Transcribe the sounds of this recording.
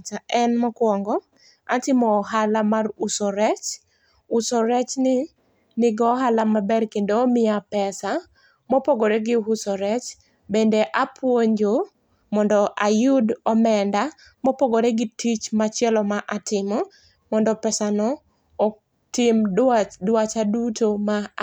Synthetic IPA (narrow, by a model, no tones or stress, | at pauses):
t͡ʃaɛnmɔkwɔŋɡɔ | atɪmɔːɦalamarusɔɾɛt͡ʃ | usɔɾɛt͡ʃnɪ | nɪɡɔɦalamabɛrkendoːmɪapɛsa | mɔpoɡoɾeɡɪɦʊsɔɾɛt͡ʃ | bendeʔapʰwoɲd͡ʒo | mɔndɔʔajʊdɔmɛnda | mɔpoɡoɾeɡɪtit͡ʃmat͡ʃɪɛlɔmaʔatʰɪmɔ | mɔndɔpɛsanɔː | tɪmdwat͡ʃadutʰoma